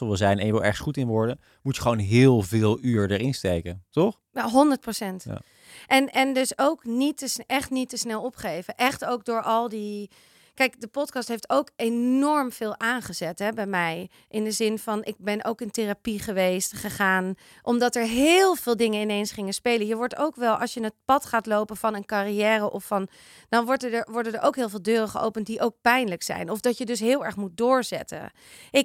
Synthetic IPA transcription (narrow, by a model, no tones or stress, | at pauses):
ɔʋɪlˠzɛjnɛ̰njəʋɛlˠɛ̰ɹχəsχutɪnʋʊɹdə | mutjə̥χʋownɦɪːlˠvɪːlˠyːɹdəɹɪnstejkətɔχ | aɦɔndəɹt̚prosɛnt | ʔɛnɛndɵsowknitəsɛχtnitəsnɛlˠɔpχejvəʔɛχtowk̚dʊːɹʔɑlˠdi | kɛjkdəpɔtkɑstɦejftowkennɔɹmv̥ɪːlˠʔaːnχəzɛtɦɛbɛjmɛj | ʔɪndəzɪnvɑnʔɪɡ̚bɛnʔo̰wkɪnterapiχəʋejstχəχaːn | ʔɔmdɑtɛɹɦɪːlˠvɪːlˠdɪŋənɪnejnsχɪŋənspejlənjəʋɔɹto̰wkʋɛlˠʔɑ̰sjəɪnɦət̚pɑtχaːtlowpənvɑnənkarijɛːrəʔɔfːɑn | d̥ɑnʋɔɹtədəʋɔɹdədəɹʔowkɦɪːlˠvɪːlˠdøːrəχəʔo̰wpənt̚diʔowk̚pɛjnləksɛ̰jnɔfdɑtjədɵs̬ɦɪːlˠɛɹχmut̚dʊːɹzɛ̰tə̰ | ʔɪk